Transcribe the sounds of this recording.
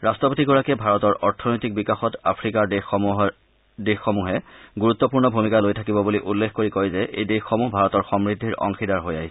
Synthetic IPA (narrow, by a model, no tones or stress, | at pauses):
ɹastɹɔpotiɡɔɹakɛbʱaɹɔtɔɹʔɔɹtʰɔnojtik̚bikaxɔta̰pʰɹikaɹdex | dexːɔmuɦɛɡuɹut̪ːɔpuɹnɔbʱumikalojtʰakibɔbuliʔulːexkoɹikojzɛʔejdexːɔmuɦbʱaɹɔtɔɹxɔmɹidʱːiɹʔɔ̰ŋxidaɹɦoja̰ɦis